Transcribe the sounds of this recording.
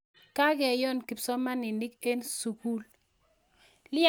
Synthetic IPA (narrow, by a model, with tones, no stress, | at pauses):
ka˦ɡɛ˨jɔ˦nki˨psɔ˦ma˦nɪ˨ni˦ke˦nsu˨ku˦l | lɪ˦